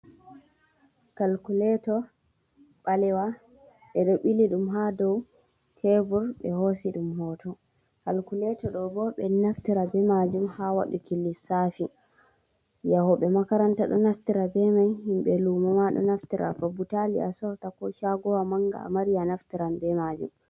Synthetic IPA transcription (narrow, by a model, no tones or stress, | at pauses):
kalkulɛtɔ | ɓalɛwa | ɓɛɗɔɓiliɗumɦadɔw | tʰɛvuɾɓɛhosiɗumhɔtɔ | kalkulɛtɔɗɔbɔɓɛnaftiɾabɛmad͡ʒumhawa̰ɗukilːisafi | jahɔɓɛmakaɾantaɗɔnaftiɾabɛmajhimɓɛlumɔmaɗɔ̰naftiɾʔa̰fabutalḭa̰sɔtakɔʃaɡɔwamaŋɡa̰a̰maɾijanaftiɾambɛmad͡ʒṵm